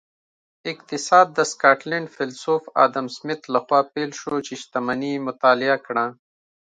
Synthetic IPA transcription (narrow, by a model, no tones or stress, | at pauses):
ɪqt̪ɪsaːd̪̚ːəskaːʈleɳɖfɪlsoːfa̰ːd̪ɐmsmɪt̪laxwaːpelʃot͡ʃeʃt̪ɐmɐnimʊt̪aːlɪakɽã